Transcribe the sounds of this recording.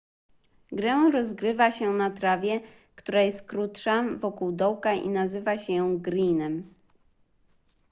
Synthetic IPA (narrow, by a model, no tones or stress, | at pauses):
ɡɾɛ̃ɾɔzɡɾɘvaɕɛnat̪ɾavʲjɛ | kt̪uɾajɛst̪kɾut̪ʂavɔkuwd̪ɔwkaʔḭnazɘvaɕɛjɔ̃w̃ɡɾinɛm